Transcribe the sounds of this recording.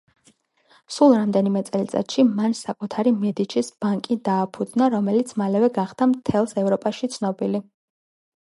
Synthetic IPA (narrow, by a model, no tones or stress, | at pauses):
sulˠɾamd̪ɛnimɛt̪sʼɛlit̪ʼa̰t̪ʃimansakʼut̪ʰaɾimɛd̪it͡ʃʰisb̥aŋkʼid̪aːpʰud̪znaɾɔmɛlit̪sʰmalɛvɛɡaχd̪amt̪ʰɛlˠsɛvɾɔpʼaʃit̪sʰnɔbili